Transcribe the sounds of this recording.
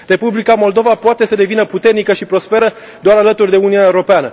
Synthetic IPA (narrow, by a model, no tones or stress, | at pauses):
re̞publikamo̞ld̪o̞vapoat̪e̞səd̪e̞vinəput̪e̞rnikəʃipɾo̞spe̞ɾə | d̪oaɾalət̪urʲd̪e̞uniunaeɾo̞peanə